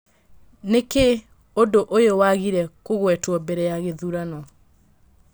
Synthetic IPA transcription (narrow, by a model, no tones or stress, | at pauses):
neke | ondoʔojowaɣiɾɛkoɣwɛtwɔbɛɾɛjaɣeðuɾanɔ